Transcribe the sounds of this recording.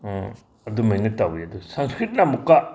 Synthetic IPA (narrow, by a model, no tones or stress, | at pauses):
ɐdumajnɯtawiɐd̪usanskɾit̚namukːa